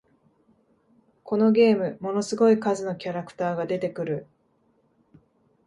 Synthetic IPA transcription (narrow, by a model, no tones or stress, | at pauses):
kʰo̞no̞ɡʲe̞ːmɯ̟mo̞no̞sɨɡo̞ikazɨno̞kʲaɾakɯ̟̥t̪aːɡad̪e̞t̪e̞kɯ̟ɾɯ̟